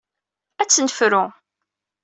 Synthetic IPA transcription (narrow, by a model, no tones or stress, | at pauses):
æt͡sːnəfɾʊ